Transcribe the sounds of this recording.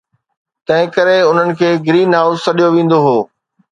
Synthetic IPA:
t̪ɐ̃ɦɪ̃kɐɾeʊn̤ənɪ̆kʰeːɡɪɾiːnɦaːʊzsɐɗijoʋĩːn̆d̪oɦoː

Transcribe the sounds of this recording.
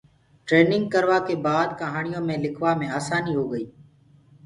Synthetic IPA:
ʈɾeːnɪ̃ŋɡ̚kəɾʋaːkeːbaːd̪̚kəɦaːɳɪjõːmẽːlɪkʰʋaːmẽːaːsaːniːɦoːɡəiː

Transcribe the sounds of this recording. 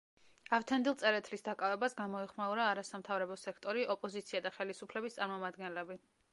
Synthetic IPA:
aft̪ʰand̪ilˠt̪sʼɛɾɛt̪ʰlisd̪akʼavɛbasɡamɔɛχmauɾaːɾasamt̪ʰavɾɛbɔsɛkʰt̪ʼɔɾiʔɔpʼɔzit̪sʰiad̪aχɛlisupʰlɛbist̪sʼaɾmɔmad̪ɡɛnlɛbi

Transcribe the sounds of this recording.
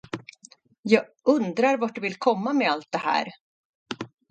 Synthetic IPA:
jɑːɡʔɵnd̪ɾaɾvaʈ̚ɖɵvɪlkʰɔmːamɛalt̪̚d̪ɛhæ̰ːɾ

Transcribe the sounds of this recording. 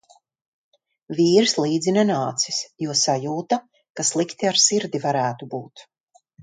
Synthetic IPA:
viːɾslˠiːd̪zinɛnaːt̪si̥sjuɔsajuːt̪a | kaslˠikt̪iaɾsiɾd̪ivaɾæːt̪ubuːt̪

